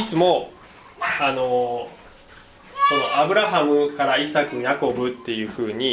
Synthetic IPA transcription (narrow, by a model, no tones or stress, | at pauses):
it͡sɨmo̞ | ano̞ | so̞no̞ʔabɯ̟ɾaɦamɯ̟kaɾaisakɯ̟jako̞bɯ̟t̪ːe̞jɯ̟ːɸɯ̟ːɲ̟i